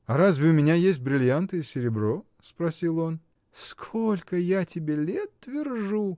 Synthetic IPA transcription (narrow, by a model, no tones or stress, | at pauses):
ɐɾazvʲɪʊmʲɪnʲajesʲt̚ʲbɾʲɪlʲjant̪ɨjəsʲɪɾʲɪbɾo | spɾɐsʲilˠo̞n | skʰolʲkəjatʲɪbʲelʲet̪ːvʲɪrʐu